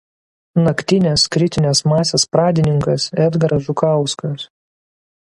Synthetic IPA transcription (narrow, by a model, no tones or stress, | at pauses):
nɐkt̪ʲɪnʲeskɾʲɪt̪ʲɪnʲɛsmɑːsʲeːspɾɑːd̪ʲɪnʲɪŋkɐsɛd̪ɡɐɾɐʒʊkɑˑʊskɐs